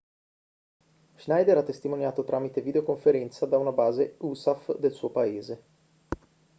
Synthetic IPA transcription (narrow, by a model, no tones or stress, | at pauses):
ʒnajd̪ɛɾat̪ːest̪imonjaːt̪ot̪ɾʔaːmit̪evid̪eokoɱfeɾɛnt̪sad̪aunabaːzeusafd̪elsuːopaeːze